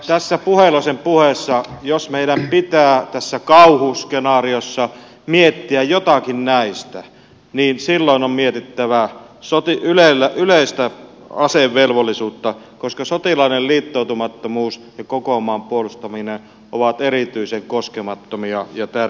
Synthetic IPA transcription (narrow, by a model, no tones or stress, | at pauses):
t̪æsːæpuhelosempuhesːɑjosmeiɾæmpit̪æːt̪æsːækɑuhuskenɑːriosːɑ | miet̪ːiæjjot̪ɑkinnæist̪æ | niːnsilːoˑinommiet̪it̪ːæʋæ | sot̪iylelːæʔyleˑist̪æ | ɑseʋʋelʋolːˑisuːt̪ːɑ | koskɑsot̪ilɑˑinelliːt̪ːoˑut̪umɑt̪ːomuːsjɑkokomˑɑːmpuolust̪ɑminen | ʔoʋɑt̪erit̪yiseŋkoskemɑt̪ːomiɑjɑt̪ær